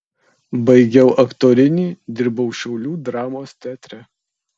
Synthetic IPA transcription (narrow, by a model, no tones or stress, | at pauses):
bɐɪɡʲɛʊʔɐkt̪oːɾʲɪnʲiːd̪ʲɪɾbɐʊʃʲɛʊlʲuːd̪ɾɑːmoːst̪ʲæːt̪ʲɾʲæ